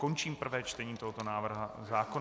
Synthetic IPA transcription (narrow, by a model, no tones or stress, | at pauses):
ko̞nt͡ʃiːmpr̩vɛːt͡ʃt̪ɛɲiːt̪oɦo̞t̪o̞naːvr̩ɦazaːko